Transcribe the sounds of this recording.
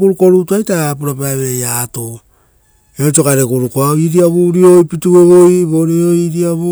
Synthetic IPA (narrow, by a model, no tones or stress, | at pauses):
kuɾuko̞ɾutuajtap̬uɾapaeβe̞jato | eot͡ʃo̞kaɾekuɾukoaiɾiaβuɾio̞jpitue̞βo̞jβo̞ɾioiɾiaβu